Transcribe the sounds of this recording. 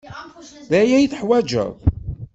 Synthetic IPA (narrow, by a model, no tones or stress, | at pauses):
ðæjæjθəħwæd͡ʒə̰ðˤ